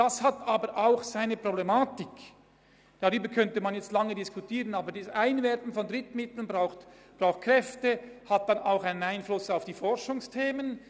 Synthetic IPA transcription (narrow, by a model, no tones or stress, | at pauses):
d̥ashataːbəɾʔaʊxsaɪnəpʁ̥oblemaːtɪk | d̥aʁyːbəkʰœntəmanjɛt͡stlaŋədɪskutʰiːʁənaːbədiːsaɪnvɛɾtn̩fɔndʁɪtmɪtl̩nbʁaʊxtb̥ʁaʊxt̚kʁ̥ɛftəhat̚d̥anaʊxaɪnənaɪnflʊsaʊfd̥iːfɔɾʃʊŋstʰeːmən